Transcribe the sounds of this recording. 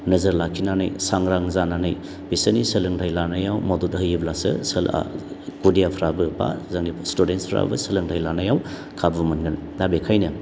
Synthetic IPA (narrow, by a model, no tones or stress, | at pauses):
nɐzəɾlakʰinana̰jsaŋɾaŋzananaj | b̥isənisəlɯŋtʰajlanajawmaduthɯjiblasɯ̰səla̰ | ɡ̥udijapʰɾabɯba̰zaŋnistudenspʰɾa̰bɯsəlɯŋdʰajlanajaw | kʰabumɐnɡɯndabekʰajnɯ